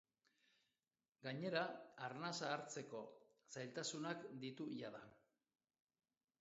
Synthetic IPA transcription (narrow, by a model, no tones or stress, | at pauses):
ɡaɲe̞ɾaaɾnasaːɾt͡se̞ko̞ | sajlt̪asunakd̪it̪uʝaða